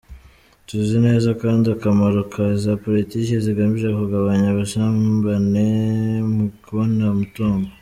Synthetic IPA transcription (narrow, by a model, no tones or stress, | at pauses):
tuzine̞ːzakaːndiakamaɾukʰazapolitiːkeziɡamiʒekuɡaβaɲaβaʃabanemukuβonamutuːmɡo